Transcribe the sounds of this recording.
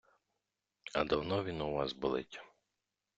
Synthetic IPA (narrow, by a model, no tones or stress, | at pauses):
ɐ̰d̪ɐwnɔʋʲinʊʋɑsbʊlˠɪ̰tʲɐ̥